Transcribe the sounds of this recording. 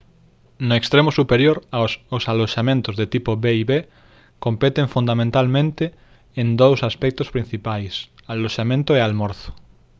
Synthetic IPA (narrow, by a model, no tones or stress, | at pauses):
noekst̪ɾemosupeɾjoɾasosaloʃamẽnt̪ozðet̪ipoβeiβe | kompet̪ẽɱfũnd̪amẽnt̪almẽnt̪e | end̪owsaspɛk̚t̪ospɾin̟θipajsaloʃamẽnt̪oealmoɾθo̥